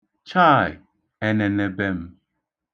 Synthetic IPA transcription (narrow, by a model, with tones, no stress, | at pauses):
t͡ʃa˦˨j | e˦ne˨ne˨be˦m̩˦